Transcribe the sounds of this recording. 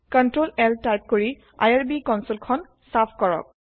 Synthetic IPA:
kɔntɹolɛltajp̚koɹi | a̰jaɹbikɔnsolkʰɔn | sapʰkɔɹɔ̰k̚

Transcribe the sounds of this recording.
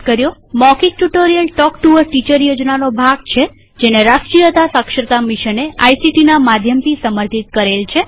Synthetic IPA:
kəɾjomɔkiʈuʈoɾijəlʈɔkʈuʋəɾʈit͡ʃəɾjod͡ʒnanobʱaɡ̚t͡ʃʰe | d͡ʒeneɾaʃʈɾijət̪asəkʃɾət̪amiʃəneajsiʈinamad̪ʱjəmt̪ʰisəməɾt̪ʰit̪̚kəɾelt͡ʃʰe

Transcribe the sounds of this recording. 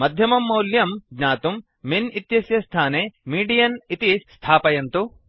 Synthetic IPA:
mɐd̪ʱjɐmɐmːɐwljɐmɡnaːt̪umː | init̪jɐsjɐst̪ʰaːneːmiːɖijɐnit̪ist̪ʰaːpɐjɐnt̪u

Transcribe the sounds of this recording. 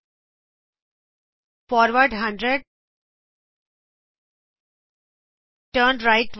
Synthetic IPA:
fɔːɾʋəɾɖɦʌ̃ɳɖɾeɖ̚ | ʈəːɳɾaɪʈ

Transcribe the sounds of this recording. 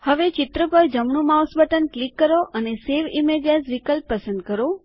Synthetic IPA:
həʋet͡ʃɪt̪ɾəpəɾd͡ʒəmɳũmawsbəʈənklikːəɾoʔəneseʋimeɖjəʈʋikəlpːəsə̃nd̪̚kəɾo

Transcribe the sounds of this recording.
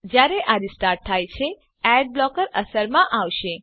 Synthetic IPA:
d͡ʒjaɾeʔaɾisʈaɾʈ̚t̪ʰajt͡ʃʰe | ɛɖ̚blɔkəɾəsəɾmãʔaʋʃe

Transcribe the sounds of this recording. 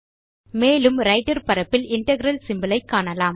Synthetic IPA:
meːlɯmɾɐɪʈɐɾpɐɾɐpːɪlɪɳʈɐɣɪɾɐlsɪmbɐlɐɪkːaːɳɐlaːm

